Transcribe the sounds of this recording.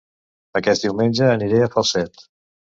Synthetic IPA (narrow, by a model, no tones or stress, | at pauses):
əkɛst̪d̪iwmenʲd͡ʒəːniɾeəfəlˠsɛt̪